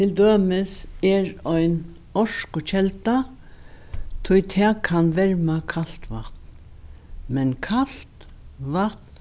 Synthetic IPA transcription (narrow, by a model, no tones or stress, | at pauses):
t̪ʰɪld̪øːmɪsɛɹɔjn | ɔʂkʊt͡ɕʰɛlt̪a | t̪ʰʊjt̪ʰɛkʰanʋɛɹmakʰal̥t̪ʋaht̪n | mɛnkʰalt̪ | ʋat̪n